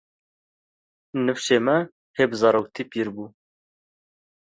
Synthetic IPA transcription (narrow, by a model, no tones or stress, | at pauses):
nɨfʃeːmɛ | heːbzɑːɾoːk̚t̪ʰiːpiɾbuː